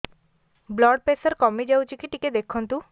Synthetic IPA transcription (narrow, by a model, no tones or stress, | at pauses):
blɔɖ̚pesəɾkɔmid͡ʒawt͡ʃikiʈiked̪ekʰɔnt̪u